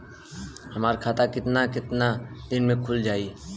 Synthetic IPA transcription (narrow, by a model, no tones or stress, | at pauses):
həmaːɾkʰaːt̪akɪt̪nakɪt̪nad̪ɪnmẽkʰʊld͡ʒaːi